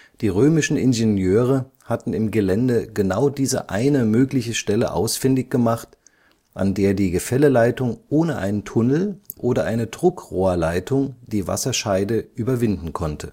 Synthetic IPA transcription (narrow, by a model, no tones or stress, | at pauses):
d̥iːʁøːmɪʃn̩ɪnzenjøːʁ̞ə | hatn̩ɪmɡəlɛndəɡənaʊdiːzə̰ʔa̰ɪnəmøːklɪçəʃtɛlə̰ʔa̰ʊsfɪndɪçɡ̥əmaχt | ʔa̰ndeːɐdiːɡəfɛləlaɪtʊŋʔoːnəʔa̰ɪnəntʰʊnl̩ʔoːdɐʔaɪnədʁʊkʁoːɐlaɪtʰʊŋd̥iːva̰sɐʃaɪdəʔyːbɐvɪndn̩kʰɔntʰə